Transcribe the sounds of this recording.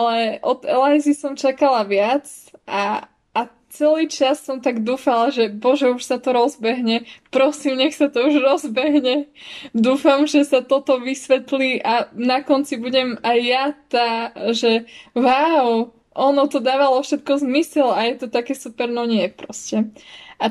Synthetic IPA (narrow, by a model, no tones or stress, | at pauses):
alɛʔɔd̪ɛ̰lajzisɔmt͡ʃakalaʋɪat͡s | ʔaː | t͡sɛliːt͡ʃasːɔmt̪aɡd̪uːfalaʒɛbɔʒɛuʃsat̪ɔɾɔzbɛɦɲɛpɾɔsiːmɲɛxsat̪ɔuʒɾɔzbɛɦɲɛd̪uːfamʒɛsat̪ɔt̪ɔʋisʋɛt̪liːʔanakɔnt͡sibuɟɛmajːat̪aːʒɛwaw | ʔɔnɔt̪ɔd̪aːʋalɔfʃɛt̪̚kɔzmisɛlajɛt̪ɔt̪akɛːsupɛɾnɔɲɪɛpɾɔscɛa